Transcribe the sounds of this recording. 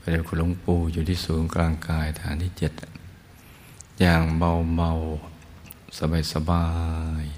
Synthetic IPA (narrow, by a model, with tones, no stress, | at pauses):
pa˧˩da˧˩kʰuː˧˩lo˧˥˦ŋpuː˧juː˨˩t̪ʰiː˧˥˩suː˩˦ŋkɾaː˧ŋkaː˧jt̪ʰaː˨˦nt̪ʰiː˧˩t͡ɕe˨˩t̪̚ | jaː˧˩ŋba˧wba˧w | sa˧baː˧˩jsa˧baː˧j